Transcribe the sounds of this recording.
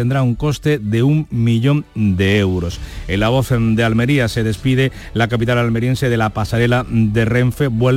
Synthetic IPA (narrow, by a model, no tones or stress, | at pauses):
end̪ɾauŋko̞st̪e̞ðe̞uŋmiʎo̞nd̪e̞ewɾo̞selaβ̞o̞θd̪ealmeɾiase̞ð̞e̞spiðe̞ | lakap̬it̪alalme̞ɾje̞nse̞ðe̞lapasaɾe̞lad̪e̞reɱfeβwe